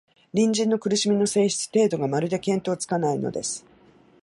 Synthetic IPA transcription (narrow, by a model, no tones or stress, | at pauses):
ɾʲĩɲ̟d͡ʑĩnːo̞kɯ̟ɾɯ̟ɕimʲino̞se̞ːɕi̥t͡sɨ̥t̪e̞ːd̪o̞ɡamaɾɯ̟d̪e̞kẽ̞nt̪o̞ːt͡sɨ̥kanaino̞̰d̪e̞̰sɨ̥